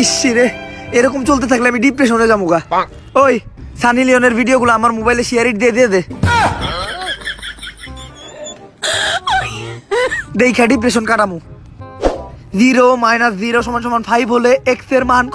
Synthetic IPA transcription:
iʃiɾeeɾɔkomt͡ɕolt̪et̪ʰakleamiɖipɾeʃoned͡ʑamuka | ojsanilioneɾbʱiɖioɡulaamaɾmobajleʃiaɾiʈ̚d̪ied̪ied̪e | d̪ejkʰaɖip̬ɾeʃ̬onkaʈamu | d͡ʑiɾomajnasziɾoʃɔmanʃɔmanfʰajbɦoleekseɾmank

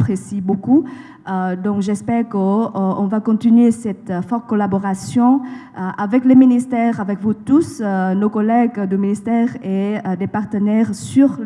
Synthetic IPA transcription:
pχesiboku | d̪ɔ̃kʒɛspɛʁkəɔ̰̃vakɔ̃t̪inɥesɛt̪fɔʁt̪̚kɔlabɔʁasjɔ̃ | əʔavɛkleminist̪ɛʁavɛkvut̪usnokɔlɛɡd̪əminist̪ɛʁeəd̪epaʁt̪ənɛʁsyʁ

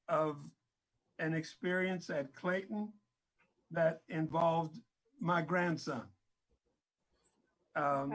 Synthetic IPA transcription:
ʌv | ɨ̃nɨkspɪɹiɨ̃nsɨt̚kʰl̥eɪʔn̩ | ðɨɾɪ̃ɱvɑlˠvd | maɪɡɹæ̃nd̥sʌ̃n

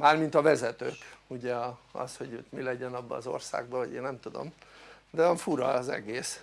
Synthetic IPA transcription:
maːrmint̪ɒvɛzɛt̪øːkuɟɛɒɒ̰sho̞ɟt̪milɛɟɛnɒbːɒ̰ːzo̞̰rsa̰ːɡ̚bɒɦoɟeːnnɛmt̪ud̪o̞̰m | d̪ɛvɒɱfuɾɒzɛ̰ɡeːs

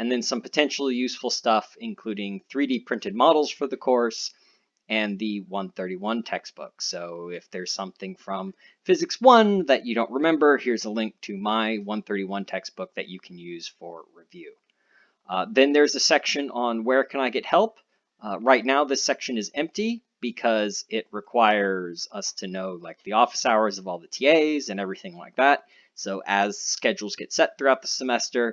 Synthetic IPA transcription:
ɨ̃nðɨ̃nsʌ̃mpʰətʰɛ̃nʃl̩ˠijʉsfl̩ˠstʌfɨ̃nkʰl̥ʉɾɪ̃ŋθɹiɾipʰɹ̥ɪ̃ntɨd̚mɑɾl̩ˠz̥fə˞ðɨkʰɔɹs | ɨ̃nðɨwʌ̃nθɜ˞ɾiwʌ̃ntʰɛksb̥ʊ̰ksoʊɪfðə˞z̥sʌ̃mθɪ̃ŋfɹʌ̃m | fɪzɨkswʌ̃nðɨt͡ʃɨɾõʊ̃nʔ̚ɹɨmɛ̃mbə˞hiɹzəlɪ̃ŋk̚tʰɨmaɪwʌ̃nθɜ˞ɾiwʌ̃ntʰɛksb̥ʊk̚ðɨ̰t͡ʃɨkʰn̩jʉz̥fə˞ɹivjʉ | ðɨ̃nðə˞zɨsɛkʃɨ̃nə̃nwə˞kʰɨ̃naɪɡɛt̚hɛlˠp | ɹaɪtⁿnaʊðɪsɛkʃɨ̃nɨzɛ̃mp̚tib̥ɨkʰʌzɪt̚ɹɨkʰw̥aɪə˞zʌstʰɨnoʊlaɪk̚ðiɔfə̥saʊə˞zʌvɔlˠðɨtʰieɪzɨ̃nɛvɹiθɪ̃ŋlaɪk̚ðæt̚ | soʊʔɨz̥skɛd͡ʒl̩ˠzɡɛtsɛt̪̚θɹʉaʊt̪̚ðəsəmɛstə˞

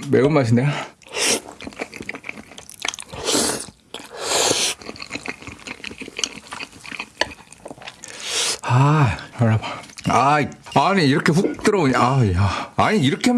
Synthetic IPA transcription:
meumaɕ̬ʰinde | aʌɭabaaiaɲiːɾʌkʰeɸuk̚t͈ɯɾʌoɲajaaɲiiɾʌkʰeam

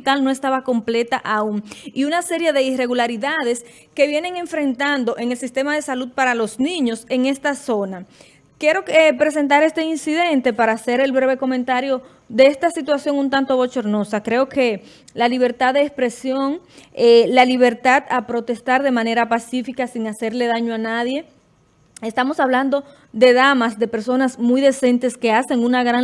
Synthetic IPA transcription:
t̪alno̞e̞st̪aβako̞mple̞t̪aʔauŋiunase̞ɾje̞ðeire̞ɣulaɾiðaðe̞s | ke̞βje̞ne̞ŋe̞ɱfɾe̞nt̪and̪o̞ʔe̞ŋe̞lsist̪e̞mað̞e̞salud̪̚paɾalo̞snĩɲose̞ŋe̞st̪aso̞na | kje̞ɾo̞epɾe̞s̬e̞nt̪aɾe̞st̪e̞insiðe̞nt̪e̞paɾaːse̞ɾe̞lβɾe̞βe̞ko̞mẽnt̪aɾjo̞ | ðe̞est̪asit̪wasjo̞ŋunt̪ant̪o̞βo̞t͡ʃo̞ɾno̞sakɾe̞o̞ke̞ | laliβ̞e̞ɾt̪aððeːspɾe̞sjo̞ŋelaliβ̞e̞ɾt̪at̪apɾo̞t̪e̞st̪aɾðe̞mãne̞ɾapasifikasiŋase̞ɾle̞ðaɲoanaðje̞ | est̪amo̞saβland̪o̞ | d̪e̞ðamasd̪e̞pe̞ɾso̞nasmujðe̞se̞nt̪e̞ske̞ase̞ŋunaɣɾa

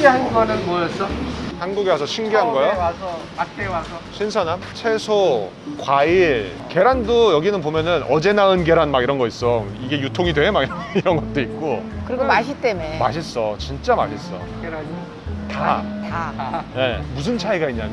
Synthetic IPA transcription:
eɦanɡʌnɯnmʌʌsʌhanɡuɡewas̬ʰʌɕʰinɡiɦanɡʌjoasʰʌ | at͈ewasʰʌɕʰinsʰʌnamt͡ɕʰesʰo | kwaiɭ | ke̞ɾandojʌɡinɯnpomjʌnɯnʌd͡ʑe̞naɯnɡe̞ɾanmaɡiɾʌnɡʌis͈ʌiɡe̞jutʰoŋidwe̞ɦmaɡiɾiɾʌnɡʌt̚t͈oik̚k͈okɯɾiɡomaɕʰit͈e̞memaɕ̬ʰis͈ʌt͡ɕint͡ɕ͈ama̰ɕʰis͈ʌ̰ | eɾi | tatanemus̬ʰɯnt͡ɕʰaiɡaiɲːan

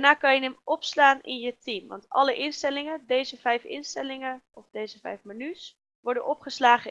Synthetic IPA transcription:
naːkɑnjənɛmɔpslaːnɪ̰njətimʋɑ̰ntɑləʔɪnstɛlɪŋədejzəvɛjfɪ̰nstɛlɪŋəɔfdejzəvɛ̰jfmənys | ʋɔɹdənʔɔpχəslaːχə

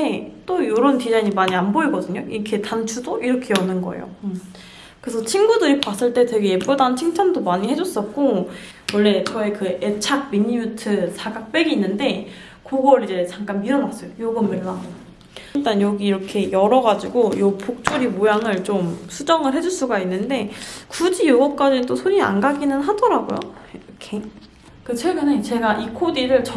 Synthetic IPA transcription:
et͈ojoɾontid͡ʑaiɲimaɲianboiɡʌdɯɲoḭɾkʰe̞tant͡ɕʰudoʔiɾʌkʰe̞jʌnːɯnɡʌ̰ḛjo̰ | kɯesʰʌt͡ɕʰinɡudɯɾipas͈ɯɭt͈e̞twe̞ɡejep͈udant͡ɕʰiŋt͡ɕʰandomaɲihe̞d͡ʑʌs͈ʌt̚k͈o | wʌɭːe̞t͡ɕʌekɯʔet͡ɕʰak̚miɲiutʰɯsʰaɡak̚p͈e̞ɡiːnːɯnde̞ | koɡʌɾid͡ʑe̞t͡ɕaŋk͈anmiɾʌnas͈ʌjojoɡɯmɯɭːaɡo | t͈anjʌɡiːɾʌkʰe̞jʌɾʌɡad͡ʑiɡojopok̚t͡ɕ͈uɾimojaŋɯɭt͡ɕomsʰud͡ʑʌŋɯɭɦe̞d͡ʑuɭs͈uɡainːɯnde̞kud͡ʑijoɡʌp̚k͈ad͡ʑindosʰoɾia̰nɡaɡinɯnɦadʌɾaɡo̰jo̰kʰe | kɯt͡ɕʰeɭɡɯne̞t͡ɕe̞ɡaʔikʰodiɾɯɭt͡ɕ

